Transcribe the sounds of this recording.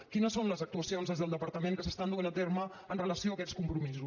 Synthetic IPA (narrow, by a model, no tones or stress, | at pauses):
kinəsːonləzək̚t̪uəsionzðəzðəlˠd̪əpəɾt̪əmẽŋkəsəst̪and̪uanət̪ermə | ənrələsioəkɛskumpɾumizu